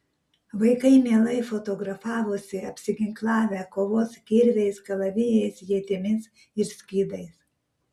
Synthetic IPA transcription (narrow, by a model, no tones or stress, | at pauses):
ʋɐɪkɐɪmʲeɛlˠɐɪfot̪oɡɾɐfɑːʋʊsʲɪɐpʲsʲɪɡʲɪŋklˠɑːʋʲɛkoːʋoːskʲiɾʲʋʲɛɪsɡɐlˠɐʋʲɪjɛɪsjiɛt̪ʲɪmʲɪs | ɪɾsʲkʲiːd̪ɐɪs